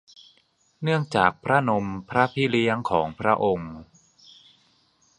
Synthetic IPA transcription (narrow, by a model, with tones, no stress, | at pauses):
nɯ˥˩əŋt͡ɕaː˨˩k̚pʰɾa˦˥no˧mpʰɾa˦˥pʰi˦˥li˦˥əŋkʰɔː˩˦ŋpʰɾa˦˥ʔo˧ŋ